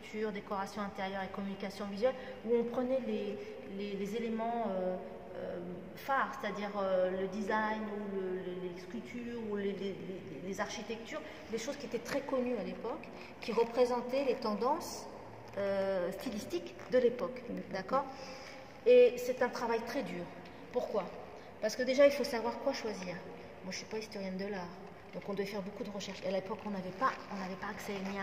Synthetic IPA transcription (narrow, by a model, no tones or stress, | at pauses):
t̪ʰyːʁd̪ekɔʁasjɔ̃ɛ̃t̪eʁjœʁekɔmynikʲasjɔ̃vizɥɛl | uɔ̃pχənɛle | lelezelemɑ̃ø | ø̰ | faʁse̥t̪ad̪iʁøləd̪izajnuləleleskʲylt̪ʰyːʁuleleleelezaʁʃit̪ɛk̚t̪yːʁ | d̪eʃozkʲiet̪ɛt̪χɛkɔnyalepɔk | kʲiʁəpχezɑ̃t̪ɛlet̪ɑ̃d̪ɑ̃s | øst̪ilist̪ik | d̪əlepɔkd̪akɔːʁ | esɛt̪ɛ̃t̪χavajt̪χɛd̪yːʁ | puʁkwa | paʁsəkəd̪eʒailfosavwaʁkwaʃwaziːʁ | mwaʒə̥sipaist̪ɔʁjɛ̃nd̪əlaʁ | d̪̥ɔ̃kɔ̃d̪wɛfɛʁbokud̪əʁəʃɛʁʃealepɔkɔ̃navɛpaɔ̃navɛpaːksɛmja